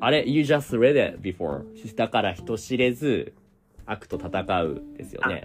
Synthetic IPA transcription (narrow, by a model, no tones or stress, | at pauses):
aɾejɨd͡ʒast̪ɾed̪ɪ̰t̪̚bʲifo̰ɹd̪akaɾaçi̥t̪o̞ɕiɾe̞zɨ | akɯ̟̥t̪o̞t̪at̪akaɯ̟̰d̪e̞̰sɨjo̰ne̞̰